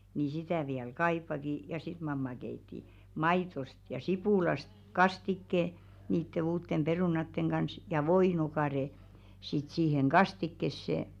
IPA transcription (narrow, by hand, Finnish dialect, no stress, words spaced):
ni sitæˑ ʋiæl kɑipːɑki jɑ sit mɑmːɑ keitːi mɑitost jɑ sipuˑlɑst kɑstikːe niːtːe uːtːem peruˑnɑtːeŋ ɡ̊ɑns jɑ ʋoino̝kɑˑre sit siːheŋ ɡ̊ɑstikːesːe